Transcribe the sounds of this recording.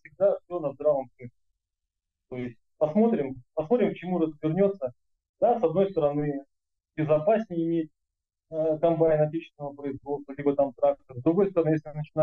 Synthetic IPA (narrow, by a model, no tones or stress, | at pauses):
fsʲɪɡ̚d̪afsʲo̞nəzd̪ɾavəmt̪ɨlʲɪ | t̪o̞ɪsʲtʲpɐsmo̞t̪ɾʲɪmpɐsmo̞t̪ɾʲɪmkt͡ɕɪmurəzʲvʲɪrnʲo̞t̪sə | d̪asɐd̪no̞jst̪əɾɐnɨ | bʲɪzɐpasʲnʲɪjɪmʲet̚ʲ | əkɐmpanʲɪnɐtʲet͡ɕɪst̪vɪnəvəpɾəɪzvo̞t̪st̪vəlʲibət̪amt̪ɾak̚t̪əɾzd̪ɾʊɡo̞jst̪əɾɐnɨjesʲlʲɪɨnət͡ɕɪna